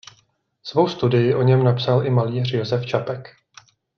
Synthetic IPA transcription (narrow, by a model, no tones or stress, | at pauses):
svo̞wst̪udɪjɪʔo̞ɲɛmnapsalʔɪmaliːr̝jo̞zɛft͡ʃapɛk